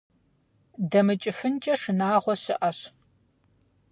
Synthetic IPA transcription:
dɐmɨt͡ʃʼɪfɨnt͡ʃʼɐʂɨnaːʁʷɔɕɪʔɐɕ

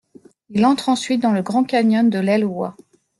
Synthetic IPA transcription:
ilɑ̃t̪χɑ̃sɥit̪̚d̪ɑ̃ləɡʁɑ̃kaɲɔnd̪əlɛlwa

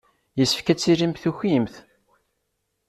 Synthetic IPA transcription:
jəsːə̥fkæt͡sːilimθuçimθ

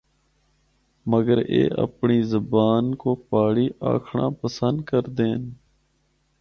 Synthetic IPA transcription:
məɡəɾḛːʔə̰pɳiːzəbaːnkoːpaːɽiːʔa̰ːkʰɳã̰ːpəsənd̪kəɾd̪eːn

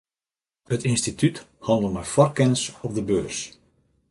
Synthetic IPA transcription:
hətɪnstityt | hɑndəl̩ˠmɛjfɔrkɛnəsɔp̚dəbøːrs

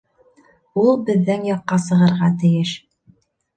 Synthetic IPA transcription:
ulˠbɘ̆ðːænjɑqːɑs̬ɤ̆ʁɤ̆ɾʁɑt̪ɘ̆jɘʃ

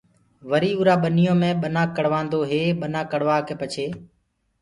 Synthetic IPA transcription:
ʋəɾiːuːɾaːɓənijõːmẽːɓənãːkəɽʋãːnd̪oːɦeːɓənãːkəɽʋaːkeːpət͡ʃʰeː

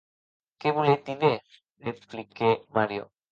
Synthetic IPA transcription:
keβulet̪iðe | eplikemaɾjo̰

